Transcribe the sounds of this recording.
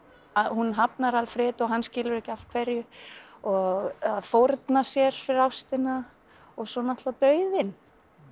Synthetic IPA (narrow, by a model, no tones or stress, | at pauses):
aðhunɦapnaɾalfɾɪːt̪ɔɣɦanːscɪːlʏɾɛhcɪafkʰvɛɾjʏɔɣaðfɔɾt̪nasjɛɾ̥fɪɾɪɾawst̪ɪna | ɔɣsɔnaht̪lat̪œːɥðɪn